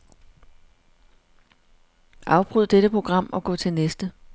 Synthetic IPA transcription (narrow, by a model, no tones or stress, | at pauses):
ʔɑ̈ʊb̥ʁyð̞̰ˠd̥eɾəpʰʁo̝ɡ̥ʁɑ̈m̰ɒ̽ɡ̥ɔ̰̽ːt͡sʰe̝lnesd̥ə